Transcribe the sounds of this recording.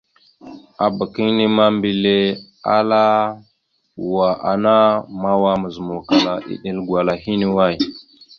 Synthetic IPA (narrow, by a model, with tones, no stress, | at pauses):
a˨bə˨ki˦ŋni˦ma˦mbi˨le˦ | a˦la˦˨ | wa˨ʔa̰˨na˦ma˦wa˦mə˨zə˨mu˨ka˨la˨ʔḭ˨ɗi˦lɡwa˨la˨ɦi˦ne˦wa˦˨j